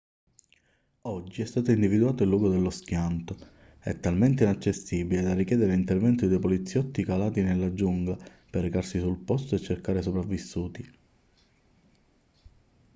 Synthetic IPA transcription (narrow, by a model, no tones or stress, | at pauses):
ɔd͡ʒːiɛst̪aːt̪oind̪ivid̪uaːt̪oilːwuːɡod̪elːosk̟jant̪o | ɛ̰t̪ːalment̪̬einat͡ʃːesːibiled̪arːikjɛːd̪eɾeint̪ervɛnt̪id̪ejpolit̪sːjɔt̪ːikalaːt̪inelːad͡ʒuŋɡla | perːekarsisulpɔst̪oet͡ʃːerkaːɾesopɾavːisːuːt̪i